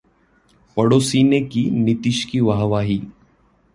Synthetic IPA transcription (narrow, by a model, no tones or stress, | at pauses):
pəɽosiːnekiːnit̪iʃkiːʋaɦʋaːɦiː